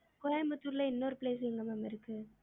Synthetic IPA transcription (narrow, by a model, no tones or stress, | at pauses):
kɔjambɐt̪ːuɾlɐɪnːɐːɾɯpleːs̬ɪlɯŋɡɐmamɪɾɯkːɯ